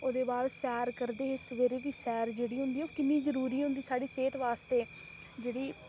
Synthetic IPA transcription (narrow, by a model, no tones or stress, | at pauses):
oːd̪eːbaːlsɛːɾkəɾd̪eːɪsʋeːɾeːd̪iːsɛːɾd͡ʒeːɽiːɦʊ̃nd̪iːɛoːkɪnːiːzəɾuːɾiːɦʊ̃nd̪iːsaːɖiːseːt̪ʋaːst̪eː | d͡ʒeːɽiː